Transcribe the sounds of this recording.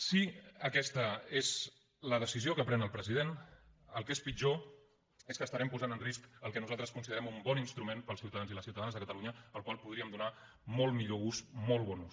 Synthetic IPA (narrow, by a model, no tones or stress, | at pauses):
siəkɛst̪əez | ləðəsiziokəpɾɛnəlˠpɾəziðenəlˠkespid͡ʒo | eskəst̪əɾɛmpuzanənriskəlˠkɛnuzalˠt̪ɾəskunsiðəɾɛmumbɔninst̪ɾumenpəlsiwt̪əðanziləsiuwt̪əðanzðəkət̪əluɲəəlˠkwalˠpuð̞ɾiəmd̪una | mɔlˠmiʎoɣusmɔlˠβɔnus